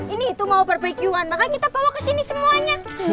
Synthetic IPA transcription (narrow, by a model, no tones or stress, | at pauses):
iniːt̪umaupərbəikiuanmakankit̪abawakəsinisəmuaɲa